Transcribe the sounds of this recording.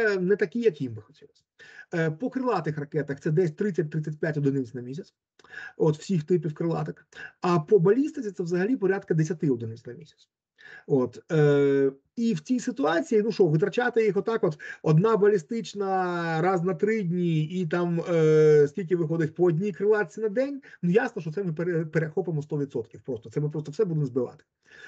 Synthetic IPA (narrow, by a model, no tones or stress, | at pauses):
sɛnɛt̪ɐkʲijɐkjimbɪxɔ̥tʲilˠɐsʲɐ̥pɔkɾɪlˠɑt̪ɪxrɐkɛt̪ɐxt̪sɛd̪ɛsʲt̪ɾɪt͡sʲːɐt̚ʲt̪ɾɪt͡sʲːɛt̚ʲpʲjatʲɔd̪ɪnɪt͡ssʲnɐmʲisʲɐsʲ | ɔt̪w̥sʲixt̪ɪpʲiwkɾɪlˠɑ̰t̪ɐkɐpɔbɐlʲist̪ɪt͡sʲit̪ɛʋzɐɦɐlʲipɔɾʲad̪kɐd̪esʲɐt̪ɪɔd̪ɪnɪsʲnɐmʲisʲɐ̥t̪s | ot̪ə | iwt͡sʲijsɪt̪ʊɑt͡sʲijinuʃɔʋɪt̪ɾɐt͡ʃat̪ɪjixɔt̪ːɑkɔt̪ɔd̪nɑbɐlʲist̪ɪt͡ʃnɐɾɑznɐt̪ɾɪdʲnʲiːt̪ɑm | sʲkʲilʲkʲɪʋɪxɔd̪ɪtʲpɔːdʲnʲikɾɪlˠɑt̪t͡sʲinɐd̪ɛnʲnujasnɔʃt͡ʃɔt̪ɛmɪpeɾepeɾexɔpɪmɔst̪ɔʋʲit̪sɔt̪kʲiwpɾɔst̪ɔ̥t̪sɛmɪpɾɔst̪ɔwsɛbud̪ɪmzbɪʋɑ̰t̪ɪ̥